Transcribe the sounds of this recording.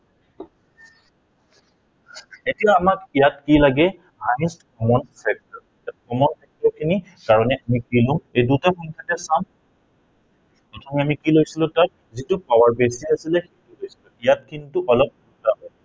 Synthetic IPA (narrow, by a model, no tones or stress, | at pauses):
etijaːmakijatkilaɡɛ | hajstkɔmɔnpɛk̚tɔɹ | at̚kɔmɔnpʰɛk̚tɔɹkʰini | kaɹɔnɛʔamikilʊ̃ejdutaxɔntʰatɛsam | pɹɔtʰɔmɛamikilojsilʊ̃tat̚ | zitʊpawaɹbesiasilɛxetulojsilʊijat̚kʰinitʊʔɔlɔp̚dutaɦɔj